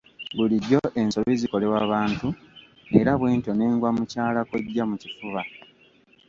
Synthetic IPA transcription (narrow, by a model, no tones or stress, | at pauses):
buliɟːo̞ʔe̞nso̞βiziko̞le̞waːβaːntu | eɾaβwe̞ːnto̞ne̞ːŋɡwamucaːlakweɟːamucifuβa